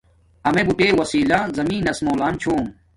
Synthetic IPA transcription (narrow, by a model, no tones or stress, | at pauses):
ɐmebuʈeːwɐsiːlãːzɐmĩːnɐsmoːlaːmt͡ɕʰoːm